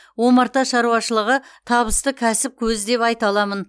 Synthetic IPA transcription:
wo̞mɑɾt̪ɑʃɑɾuɑʃəlˠəʁət̪ʰɑβəst̪əkʲʰæsɪp̚kʲʰɵzd̪e̞pɑjt̪ɑlˠɑmən

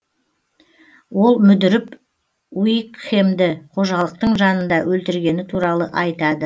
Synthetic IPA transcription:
wo̞lˠmʏd̪ɪɾɪp | wijkχemd̪ɪqʰo̞ʒɑlˠəq̚t̪əɴʒɑnənd̪ɑwɵlt̪ɪɾɡʲe̞nɪt̪ʰuɾɑlˠəʔɑjt̪ɑd̪ə

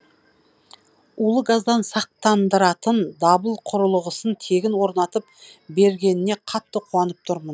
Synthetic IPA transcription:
ulˠəɡɑzd̪ɑnsɑq̚t̪ɑnd̪əɾɑt̪ənd̪ɑbəlˠqʰʊɾəlˠəʁəsənt̪ʰe̞ɡʲɪnwo̞ɾnɑt̪əp̚ | be̞ɾɡʲe̞nɪne̞qʰɑt̪ːəqʰuɑnəp̚t̪ʰʊɾmən

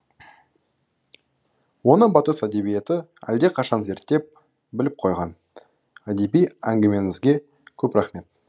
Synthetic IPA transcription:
wo̞nəbɑt̪əsæd̪e̞bije̞t̪ɪæ̰ld̪e̞qʰɑʃɑnze̞ɾt̪ːe̞p̚ | bɪlɪp̚qʰo̞jʁɑn | æd̪e̞bijæŋɡʲɪme̞ŋɪzɡʲe̞ | kʲʰɵpɾɑχme̞t̪̚

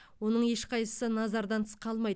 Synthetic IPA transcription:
wo̞nəɴje̞ʃqɑjsə̥sənɑzɑɾd̪ɑnt̪ʰə̥sqʰɑlˠmɑjd̪

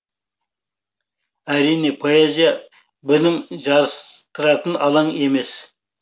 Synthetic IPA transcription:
æɾijne̞pʰoezijɑ | bɪlɪmʒɑɾəst̪əɾɑt̪ənɑ̰lˠɑɴe̞me̞s

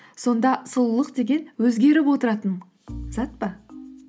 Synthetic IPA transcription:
so̞nd̪ɑsʊlˠlˠəqd̪e̞ɡʲe̞nwɵzɡʲe̞ɾɪp̬wo̞t̪əɾɑt̪ən | z̥ɑt̪̚pɑ

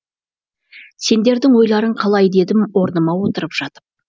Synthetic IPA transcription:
se̞nd̪e̞ɾd̪ɪŋwo̞jlˠɑɾəɴqʰɑlˠɑjd̪e̞d̪ɪmwo̞ɾnəmɑwo̞t̪əɾəpʒ̥ɑt̪əp̚

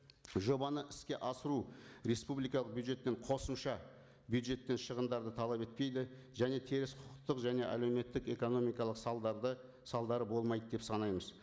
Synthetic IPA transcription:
ʒo̞bɑnəʔɪskʲe̞ʔɑsəɾuɾe̞spublˠijkɑlˠəq̚bjud̪ʒe̞t̪ːe̞qʰo̞səmʃɑ | bjud̪ʒe̞t̪ːe̞nʃəʁənd̪ɑɾd̪ət̪ʰɑlˠɑpe̞t̪̚pe̞jd̪ɪ | ʒæne̞t̪ʰeɾɪsqʰʊqəq̚t̪ːəqʒæne̞ʔæ̰le̞wme̞t̪ːɪke̞ko̞no̞mijkɑlˠəqsɑlˠd̪ə | sɑlˠd̪ɑɾəbo̞lˠmɑjd̪əd̪e̞psɑnɑjməz

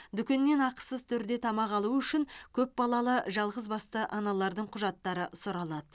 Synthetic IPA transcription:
d̪ʏkʲe̞nːe̞nɑqə̥səzt̪ʰʏɾd̪e̞t̪ʰɑmɑqɑlˠuʏʃɪŋkʲʰɵp̚bɑlˠɑlˠəʒɑlˠʁəzbɑst̪əʔɑnɑlˠɑɾd̪əɴqʰʊʒɑt̪ːɑɾəsʊɾɑlˠɑd̪ə

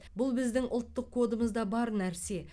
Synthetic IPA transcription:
bʊlˠbɪzd̪ɪŋʔʊlˠt̪ːəqkʰːo̞d̪əməzd̪ɑbɑɾnæɾse̞

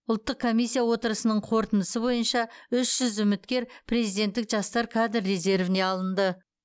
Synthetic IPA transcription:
ʊlˠt̪ːəq̚kʰːo̞mijsːijawo̞t̪əɾəsənəɴqʰo̞ɾt̪ənd̪əsəbo̞jənʃɑʏʃʒ̥ʏzʏmɪt̪kʲe̞ɾpʰre̞zijd̪e̞nt̪ːɪkʒɑst̪ɑɾkʰɑd̪ɾːe̞ze̞ɾvɪne̞ɑlˠənd̪ə

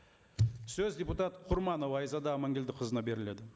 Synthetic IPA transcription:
sɵzdʲe̞put̪ɑt̪qʰʊɾmɑno̞wɑjzɑd̪ɑːmɑŋɡʲe̞ld̪ɪqʰəzənɑbe̞ɾɪle̞d̪ɪ

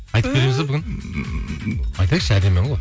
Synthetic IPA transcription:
ɑjt̪əpbeɾe̞mɪzd̪ebʏɡʲɪn | ɑjt̪ɑjʃæd̪e̞mːeɴʁoj

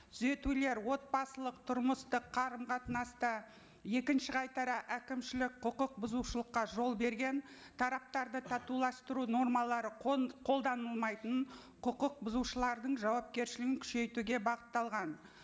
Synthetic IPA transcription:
t̪ʰʏze̞t̪ule̞ɾwo̞t̪̚bɑsəlˠəq̚t̪ʰʊɾməst̪əqʰːɑɾəmqʰɑt̪nɑst̪ɑ | je̞kʲɪnʃɪʁɑjt̪ɑɾɑʔækʲɪmʃɪlɪk̚qʰʊqəq̚bʊzuʃəlˠəqːɑʒo̞lˠbe̞ɾɡʲe̞n | t̪ʰɑɾɑp̚t̪ɑɾd̪ət̪ʰɑt̪ulˠɑst̪əɾuno̞rmɑlˠɑɾəqʰo̞lˠd̪ɑnəlˠmɑjt̪əɴqʰʊqəq̚bʊzuʃəlˠɑɾd̪əɴʒɑwɑp̚kʲe̞ɾʃɪlɪɡɪŋkʲʰʏ̥ʃe̞jt̪uɡʲe̞bɑqət̪ːɑlˠʁɑn

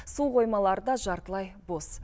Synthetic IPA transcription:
sulˠqʰo̞jmɑlˠɑɾəd̪ɑʒɑɾt̪əlˠɑjbo̞s

